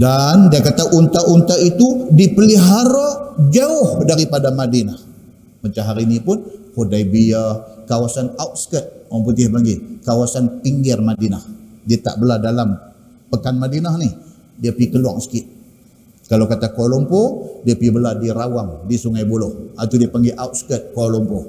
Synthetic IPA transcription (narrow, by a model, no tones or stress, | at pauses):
dandiakat̪aʔunt̪aʔunt̪ait̪udipəliɦaɾad͡ʒaʊhdaɾipadamadinah | mat͡ʃamɦaɾinipʊnhodaibiakawasanawt̪̚sə̥kət̪̚wamput̪ihbaŋɡikawasanpiŋɡɪrmadinahdiət̪a̰ʔbəladalam | pəkanmadinahnih | diəpikəlwa̰ŋsə̥kɪt̪̚ | kalawkat̪akolɔmpodiəpibəladiɾawaŋdisuŋajbulɔhʔat̪udiəpaŋɡiʔawt̪̚skət̪̚kolɔmpo